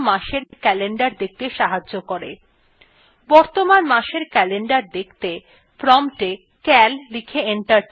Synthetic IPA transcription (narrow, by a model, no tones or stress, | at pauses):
maʃeɾkɛleɳɖaɾd̪ek̚ʰt̪eʃaɦad͡ʑːokoɾḛ | bɔɾt̪omanmaʃeɾkɛleɳɖaɾd̪ekʰt̪e | pɾɔmʈe | kɛllikʰeeɳʈaɾ